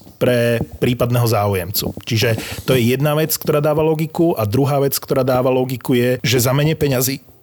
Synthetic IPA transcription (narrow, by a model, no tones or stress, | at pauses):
pɾɛpɾiːpad̪nɛːɦɔzaːujɛmt͡sṵt͡ʃiʒɛt̪ɔjɛjɛd̪naʋɛt͡skt̪ɔɾaːd̪aːʋalɔɡikuʔad̪ɾuɦaːʋɛt͡skt̪ɔɾaːd̪aːʋalɔɡikujɛʒɛzamɛɲɛpɛɲaziː